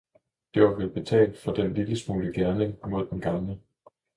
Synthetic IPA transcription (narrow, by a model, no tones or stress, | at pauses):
d̥e̝ʋɑ̈ʋelb̥e̝t͡sʰɛ̰ːld̥fɒ̽d̥enliləsmuːləɡ̥æɐne̝ŋmo̝ð̞̰ˠd̥enɡ̥ɑ̈mlə